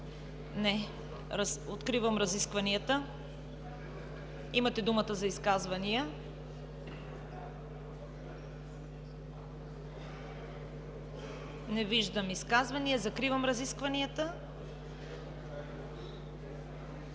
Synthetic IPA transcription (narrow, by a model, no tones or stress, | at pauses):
nɛ | ɾasot̪kɾivɐmɾɐziskvɐniət̪ə | imɐt̪ɛd̪umət̪əzɐiskazvɐniə | nɛviʒd̪əmiskazvɐniəzɐkɾivɐmɾɐziskvɐniət̪ə